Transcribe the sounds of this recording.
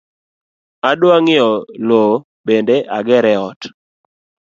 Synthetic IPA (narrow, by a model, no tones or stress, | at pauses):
adwaŋɪɔlo | bendeʔaɡɛɾɛɔt